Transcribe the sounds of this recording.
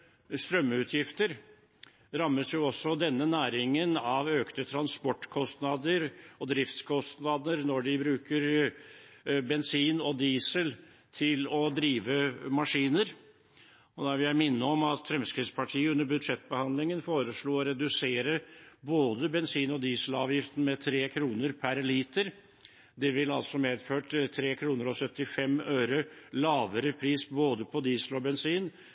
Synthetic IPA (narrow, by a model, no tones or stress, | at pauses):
st̪ɾœmːʉːt̪ʰjɪft̪əɾ | ɾɑmːəsjʊɔsːɔd̪ɛnːənæːɾɪŋənɑʋøːkt̪ət̪ʰɾɑnspɔʈːkʰɔst̪nɑd̪əɾɔd̪ɾɪft̪skʰɔst̪nɑd̪əɾnɔɖɪbɾʉːkəɾ | bɛnsiːnɔd̪iːsəl | t̪ʰɪlɔd̪ɾiːʋəmɑʂiːnəɾ | ɔd̪æʋɪljæɪmɪnːəɔmɑt̪fɾɛmskɾɪt̪spʰɑʈʰiːəʉnːəbʉd̪ʂɛt̪ːbəhɑnd̪lɪŋənfoːɾəʂɭoːɔɾɛd̪ʉseːɾəboːd̪əbɛnsiːnɔd̪iːsəlɑ̰ːʋjɪft̪n̩mɛt̪ʰɾeːkʰɾuːnəɾpʰæɾɛliːt̪əɾ | d̪ɛʋɪlɑ̰lsɔmeːd̪føːʈt̪ʰɾeːkʰɾuːnəɾɔsœt̪ːɪfɛmøːɾəlɑːʋəɾəpʰɾiːsboːd̪əpʰɔd̪iːsəlɔbɛnsiːn